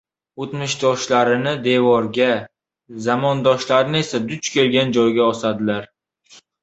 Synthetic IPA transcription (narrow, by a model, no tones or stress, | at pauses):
ot̪mɪʃd̪ɒʃlaɾɪnɪd̪e̞vɒɾɡʲa | zamɒnd̪ɒʃlaɾɪnɪe̞sad̪ʊt͡ʃkʲʰe̞lɡʲand͡ʒɒjɡʲaɒsad̪ɪlaɾ